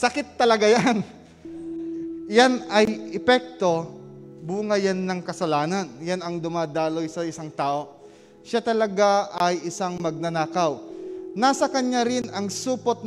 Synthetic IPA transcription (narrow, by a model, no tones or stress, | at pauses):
sɐkɪt̪ːɐlɐɡajan | janɐjʔɛpɛk̚t̪o̞buːŋɐjɐnːɐŋkɐsɐlaːnɐnjanɐŋd̪ʊmaːd̪aːlojsɐɪsaŋt̪aːʔo̞ | ʃat̪ɐlɐɡaʔɐjɪsaŋmɐɡ̚nɐnaːkɐwnaːsɐkɐɲːaɾɪnɐŋsuːpot̪̚n